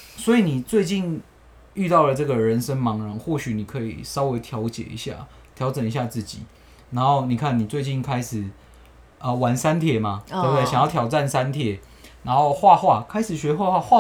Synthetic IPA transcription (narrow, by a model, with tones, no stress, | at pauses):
swɔ˧˥i˨ni˨˩t͡swe˥˧ɪt͡ɕi˥˧n | y˥˧t̪ɑ˥˩ʊlə˩t͡sɤ˥˩ɡə˨˩ɻə˧˦nʂə˦ŋmɑ˧˥ŋɻɑ˧˥ŋxwɔ˥˩ɕy˨˦ni˨˩kʰɤ˧˦˥ḭ˨˩sɑ˥ʊwe˧˥ɪt̪ʰjɑ˧˦˥ʊt͡ɕjɛ̰˨˩ḭ˧˥ɕja̰˥˩ | t̪ʰjɑ˧˦ʊt͡sə˨˩ni˧˦ɕ̬ja˥˧t͡sɹ̩˥˩t͡ɕḭ˨˩˦ | na˧˦˥nxo˥˩ʊni˨˩kʰa˥˩nːi˨˩t͡swe˥˧ɪt͡ɕi˥˩nkʰa˦ɪʂɻ̩˨˩ | ə˧˩wa˨˦nsa˦nt̪ʰjɛ˥˩ma˨t̪bt̪e˥˩ɕŋjt̪ʰjɑ˨˩ʊʈ͡ʂa˥˨nsa˦˥nt̪ʰjɛ˥˩ | na˧˦nxo˥˧ʊxwa˥˧xwa˥˧kʰa˥ɪʂɻ̩˨˩ɕɥɛ˧˥xwa˥˧xwa˥˧xwa˥˨